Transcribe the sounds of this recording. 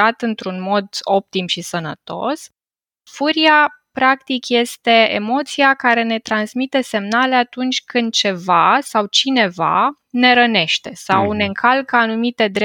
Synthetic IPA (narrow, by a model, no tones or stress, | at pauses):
at̪ɨnt̪ɾunmo̞d̪o̞p̚t̪imʃisənə̰t̪o̞̰s | fuɾiapɾakt̪ikje̞st̪e̞ḛmo̞t̪siakaɾe̞ne̞t̪ɾansmit̪e̞se̞mnale̞at̪unt͡ʃʲkɨnd̪̚t͡ʃe̞vasawt͡ʃine̞va̰ | ne̞ɾəne̞ʃt̪e̞sawne̞ɨŋkʰalkəanumit̪e̞d̪ɾe